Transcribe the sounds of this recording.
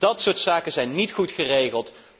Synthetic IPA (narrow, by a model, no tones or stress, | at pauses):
d̥ɑtsʊːɹtsaːkəzɛjnːitχutχərejχəlˠt